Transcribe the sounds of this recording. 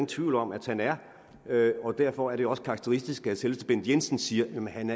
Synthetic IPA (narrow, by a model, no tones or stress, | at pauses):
n̩t͡sʰʋiʊ̰lɒ̽mæd̥hænæɐ | øɒ̽d̥æɐ̰fɒæɐd̥e̝joɒ̽sə̥kʰɑ̈ːɡ̥̚t͡sʰeʁisd̥isɡ̥æselʋəsd̥əb̥e̝n̰d̥̩ˠjensn̩siːɐjæmnɦænæɐ